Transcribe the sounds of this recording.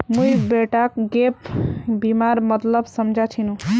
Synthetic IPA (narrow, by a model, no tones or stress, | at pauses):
mujbeʈakɡepbimaɾmət̪ləbsəmd͡ʒʱat͡ʃʰinũ